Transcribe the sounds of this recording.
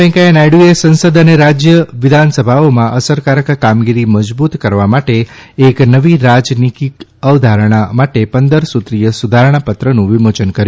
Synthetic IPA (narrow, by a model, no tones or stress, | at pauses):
ɛ̃ŋkajenajɖuesə̃nsəd̪əneɾad͡ʒjəʋɪd̪ʱansəbʱaomãʔəsəɾkaɾəkkamɡiɾiməd͡ʒbut̪kəɾʋamaʈeːknəʋiɾad͡ʒnikikəʋd̪ʱaɾəɽ̃amaʈepənd̪əɾsut̪ɾijəsud̪ʱaɾəɳ̃apət̪ɾənũʋimot͡ʃənkəɾj